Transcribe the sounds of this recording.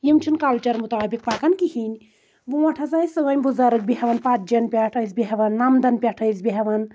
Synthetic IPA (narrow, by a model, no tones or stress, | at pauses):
jimt͡ʃʰunkalt͡ʃɐɾmut̪aːbik̚pakɐnkihinʲ | buʋɐʈʰɐzaisɨʋɐnʲbuzɐɾɨk̚bʲiɦɐʋɐnpat̪̚d͡ʒɐnpʲaʈʰəsbʲiɦɐʋɐnːamd̪ɐnpʲaʈʰɐsbʲiɦɐʋɐn